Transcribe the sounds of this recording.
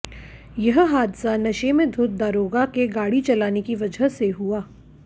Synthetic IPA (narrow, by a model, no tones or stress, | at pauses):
jɐɦɦaːd̪sanɐʃemẽd̪ʱʊt̪̚d̪aːɾoːɡakeɡaːɽit͡ʃɐlaːnekiʋɐd͡ʒəɦseɦuaː